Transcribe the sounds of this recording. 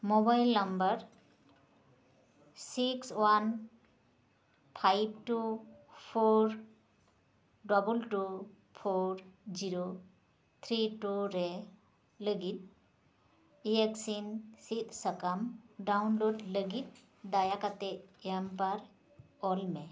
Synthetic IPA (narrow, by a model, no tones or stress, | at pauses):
mobajlːɐmbəɾ | sikswan | pʰajbʈupʰoɾ | ɖɔbulʈu | pʰoɾd͡ʒiɾo | t̪ʰɾiʈuɾe | ləɡit̪̚ | ieksinsit̪səkamɖawnloɖləɡit̪̚ | d̪ajakat̪eempaɾ | ɔlme